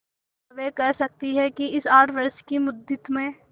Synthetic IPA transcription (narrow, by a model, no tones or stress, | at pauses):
ʋekɛɦsɐk̚t̪iɦɛkiɪsaːʈʋəɾskimʊd̪ɪt̪mẽ